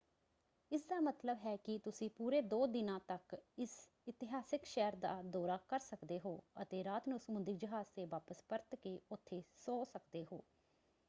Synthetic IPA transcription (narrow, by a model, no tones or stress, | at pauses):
ɪsd̪aːmət̪ləbɦɛːkɪt̪ʊsĩːpuːɾeːd̪oːd̪ɪnãːt̪əkɪs | ɪt̪ɪɦaːsɪkʃɛɾd̪a̰ːd̪ɔːɾaːkəɾsəkd̪eːɦoːət̪eːɾaːt̪nũːsəmʊ̃nd̪ɪkd͡ʒəɦaːz̥t̪eːʋaːpəspəɾt̪keːʊt̪ʰːeːsoːsəkd̪eːɦo̰ː